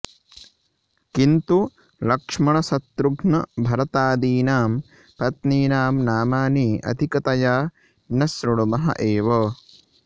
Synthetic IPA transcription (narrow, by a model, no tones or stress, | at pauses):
kint̪u | lɐkʂmɐɳɐsɐt̪ɾuɡnɐbʱɐɾɐt̪aːd̪iːnaːm | pɐt̪niːnaːmnaːmaːniːʔɐ̰d̪ʱikɐt̪ɐjaː | nɐsɾuɽɐmɐɦɐ̰ʔeːʋɐ